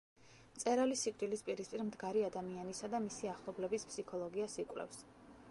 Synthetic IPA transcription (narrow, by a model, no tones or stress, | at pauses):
mt̪sʼɛɾalisikʼd̪ʼilispʼiɾispʼiɾmd̪ɡaɾiad̪amianisad̪amisiaχlˠɔblɛbispʰsikʰɔlˠɔɡiasikʼwlɛ̰fs